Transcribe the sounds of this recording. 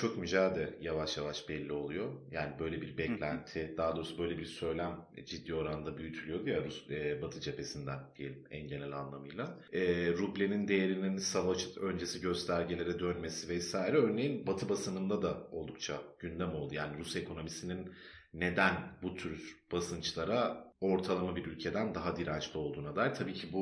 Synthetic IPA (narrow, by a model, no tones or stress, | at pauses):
t͡ʃʰo̞kmyd͡ʒaːd̪ɛjavaʃjavaʃbɛlʲːio̞lˠujo̞jaːnibø̞jlʲe̞biɾbɛclʲænt̪ʰid̪aad̪o̞ɾsabø̞jlʲe̞biɾsø̞jlʲæmd͡ʒid̪ːiːo̞ɾand̪abyjyt̪ʰylʲyjo̞d̪ujaɾusɛbat̪ʰɯt͡ʃʰe̞pʰe̞sind̪ænd̪ijelʲimɛ̰nɟe̞nælʲa̰nlˠamɯjlˠa | ɛːɾublʲenind̪e̞jeɾininsavot͡ʃɯ̥t̪ʰø̞nd͡ʒe̞siɟø̞st̪ʰæɾɟilʲe̞ɾɛd̪ønme̞sivɛsaːjiɾɛø̞ɾne̞jinbat̪ʰɯbasɯnɯnd̪ad̪ao̞lˠd̪ukt͡ʃʰaɟ̥ynd̪æmo̞lˠd̪ujaːniɾuse̞kʰo̞no̞misininː | e̞d̪ænbut̪ʰyɾb̥asɯnt͡ʃlˠaɾao̞ɾt̪ʰalˠamabiɾylʲcʰe̞d̪ænd̪aɦad̪iɾant͡ʃlʲio̞lˠd̪uːnad̪ajlʲt̪ʰabiːcʰibu